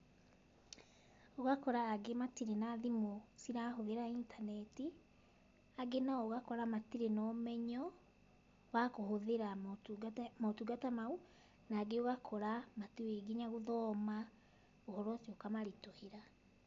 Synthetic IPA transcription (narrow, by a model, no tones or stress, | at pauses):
oɣakɔɾaːɡematiɾenaðimosiɾahoðeɾaintʰanɛti | aɡenaɔːɣakɔɾamatiɾenɔmɛɲɔ | βakohoðeɾamtmaotuɡatamau | naɡeoɣakʰɔɾamateeɡiɲaɣoðɔːma | ohɔɾɔsiokamaɾitoheɾa